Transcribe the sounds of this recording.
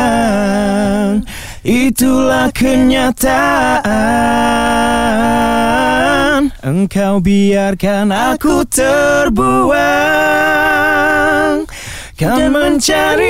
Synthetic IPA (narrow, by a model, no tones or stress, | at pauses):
n | ʔit̪ulahkʰəɲat̪aʔa | nəŋkawbiarkanakut̪ərbua | ŋ | kaŋməɲt͡ʃaɾi